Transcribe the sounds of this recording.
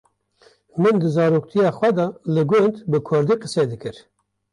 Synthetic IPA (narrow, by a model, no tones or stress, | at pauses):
mɨnd̪ɨzɑːɾoːk̚t̪ʰijɑːxʷwɛd̪ɑlɨɡʊnd̪bɨkʰʊɾd̪iqəsed̪ɨkɨɾ